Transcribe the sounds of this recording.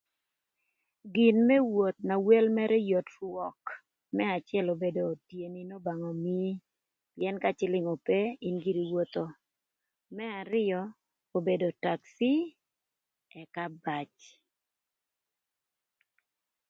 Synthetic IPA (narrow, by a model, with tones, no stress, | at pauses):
ɡi˨nmɛ˦wo˨t̪̚na˨we˦lmɛ˦ɾɛ˦jo˨trwɔ˨k | mɛ˦a˨t͡ʃɪɛ˦lo˨be˨do˨tje˨ni˨no˦ba˨ŋɔ˨mi˦ | pjɛ˦nka˦t͡ʃɪ˦lɪ˦ŋo˨pe˦i˦nɡi˦ɾi˨wo˦t̪o˨ | mɛ˦a˨ɾɪ˦jɔ˦ | o˨be˨do˨ta˨ksi˦ | ɛ˨ka˦ba˨t͡ʃ